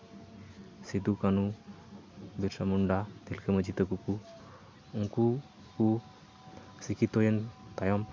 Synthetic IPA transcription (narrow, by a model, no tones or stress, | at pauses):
sid̪ukanu | biɾsamuɳɖad̪ilkeməd͡ʒʱit̪əkuku | uŋku | ku | sikit̪ojent̪ajɔm